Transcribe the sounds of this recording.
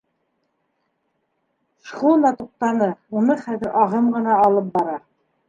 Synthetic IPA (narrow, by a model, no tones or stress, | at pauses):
ʃχund̪ɑt̪uq̚t̪ɑnɤunɤχæðɘ̆ɾʔɑʁɤmɢɤ̆nɑːlˠɤp̚bɑɾɑ